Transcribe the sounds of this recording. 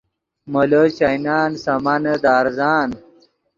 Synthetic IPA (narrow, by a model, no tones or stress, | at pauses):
mələt͡ɕɐjnaːnsɐmanəd̪aːɾzaːn